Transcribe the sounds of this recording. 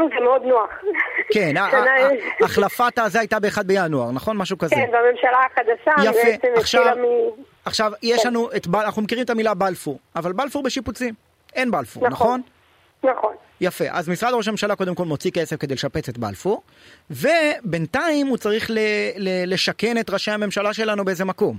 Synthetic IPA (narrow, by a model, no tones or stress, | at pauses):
zemeod̪noaχkenaanaaχlafat̪azeajt̪abeːχad̪bejanuaʁnaχo̞nmaʃukazkenveamemʃalaaχad̪aʃajabfɛet͡semeχʃalami | aχʃavjeʃlanuʔet̪banaχnumekiʁimet̪amilabalfuʁavalbalfuʁbeʃiput͡sim | e̞nbalfṵʁanaχo̞n | naχon | jafeʔa̰zmisʁad̪ooʃame̞mʃalako̞d̪e̞mko̞lmo̞t͡sikesefkedeleʃapet͡se̞t̪ba̰lfuʁ | ve̞be̞nt̪aimut͡saʁiχlelele̞ʃake̞ne̞t̪ʁaʃehame̞mʃalaʃe̞lanube̞ezemako̞m